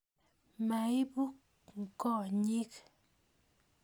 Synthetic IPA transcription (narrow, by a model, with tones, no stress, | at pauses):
ma˨i˦bu˦k̚ | ŋ̩˨kɔ˦˨ɲi˦k